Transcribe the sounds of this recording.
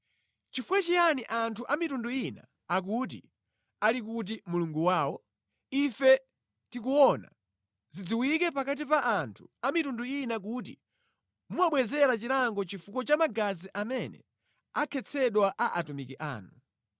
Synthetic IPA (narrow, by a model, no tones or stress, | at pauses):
t͡ʃifukwat͡ʃijaniʔantʰuʔamitunduina̰ː | k̬ut̬ḭ | alik̬ut̬imuluŋɡuwaːwɔ | ifɛ | tik̬uwɔna̰ | zid͡ziwikɛpakat̬ipaʔːntʰu̥amitunduinak̬ut̬ḭ | muwaɓwɛzɛɾat͡ʃilaŋɡɔt͡ʃifukɔt͡ʃamaɡaziʔamɛnɛ̰ | akʰɛt͡sʰɛɗwaʔaʔatumikiʔa̰ːnu